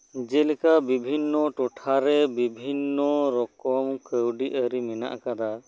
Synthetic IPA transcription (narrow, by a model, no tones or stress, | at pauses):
d͡ʒɛlɛkabibʱinːɔʈɔʈʰaɾɛbibʱinːɔɾɔkɔmkəwɖiʔəɾimɛna̰ʔkad̪a